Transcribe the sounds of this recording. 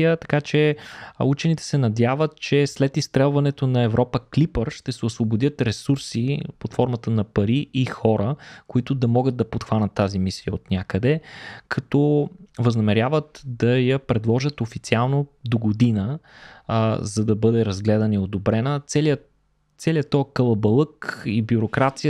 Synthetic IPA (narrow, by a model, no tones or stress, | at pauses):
ət̪ɐ̥kat͡ʃɛut͡ʃɛnit̪ɛ̥sɛnɐd̪ʲjavət̪̚t͡ʃɛslɛt̪ist̪ɾɛlˠvɐnɛt̪onɐɛvɾʔɔpəklipəɾʃt̪ɛsɛosvobod̪jət̪ɾɛsuɾsipot̪fɔɾmət̪ənɐpɐɾiʔixɔɾəkoit̪ʊd̪ɐmɔɡət̪d̪ɐpot̪xvanʲət̪ːazimisiəot̪nʲjakəd̪ɛkʰɐt̪ɔvəznɐmɛɾʲjavət̪d̪ɐjɐpɾɛd̪lˠɔʒət̪ofit̪sialˠnod̪oɡod̪inə | zɐd̪ɐbɤd̪ɛɾɐzɡlɛd̪ɐniod̪obɾɛnət̪sɛliə | t̪sɛliət̪ːɔkəlˠɐbɐlˠɤkibjʊɾokɾat̪sijə